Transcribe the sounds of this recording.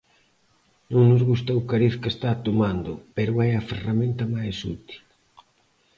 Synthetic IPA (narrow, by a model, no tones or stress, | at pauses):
nõŋnʊzɣust̪owkaɾiθkest̪at̪omand̪ʊpeɾʊajɐferamẽnt̪ɐmajsut̪i̥l